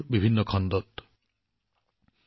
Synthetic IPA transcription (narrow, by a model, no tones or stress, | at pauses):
bibʱinːɔkʰɔnd̪ɔt̪